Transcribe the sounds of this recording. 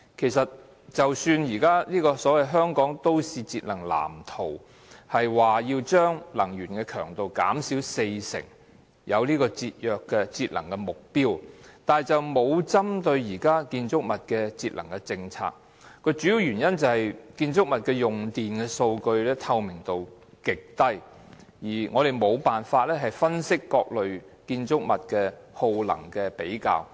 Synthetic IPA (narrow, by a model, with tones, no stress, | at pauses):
kʰe˨˩jsɐ˨t̚ | t͡sɐ˨wsyː˧njiː˨˩kaː˥liː˥kɔː˧sɔː˨˥wɐ˨jɦœː˥ŋkɔː˨˥ŋt̪o˥wsiː˨t͡siː˧t̚lɐ˨˩ŋla̰ː˨˩mt̪ʰo˨˩w | hɐ˨jwaː˨jiː˧wt͡ʃœː˥ŋlɐ˨˩ŋjyː˨˩nkɛ˧kʰœː˨˩ŋt̪o˨wka̰ː˨˥msiː˨˥wse˧jsɪ̰˨˩ŋ | jʔɐ˨˧wliː˥kɔː˧t͡siː˧t̚jœː˨kːɛ˧t͡siː˧t̚lɐ˨˩ŋkɛ˧mʊ˨k̚piː˥wt̪aː˨˩jt͡sɐ˨wmo˨˧wt͡sɐ˥mt̪ɵ˧ɥjiː˨˩kaː˥kiː˧nt͡sʊ˥k̚mɐ˨t̚kɛː˧t͡siː˧t̚lɐ˨˩ŋkɛ˧t͡sɪ˧ŋt͡sʰa̰ː˧k̚ | kːɔ˧t͡ʃyː˨˥ji˧wjyː˨˩njɐ˥nt͡sɐ˨whɐ˨jkiː˧nt͡sʊ˥k̚mɐ˨t̚kɛ˧jʊ˨ŋt̪iː˨nkɛ˧so˧wkɵ˧ɥlɛː˥t̪ʰɐ˧wmɪ˨˩ŋt̪o˨wkɪ˨k̚t̪ɐ˥j | jiː˨˩ŋʔɔː˨˧ɾe˨˩jmo˨˧wpaː˨nfaː˧t̚lɛː˥ɦɐ˨jfɐ˥nsɪ˥kːɔː˧k̚lɵ˨ɥkiː˧nt͡sʊ˥k̚mɐ˨t̚kɛː˧ho˧wlɐ̰˨˩ŋkɛ˧pe˨˥jka̰ː˨˧w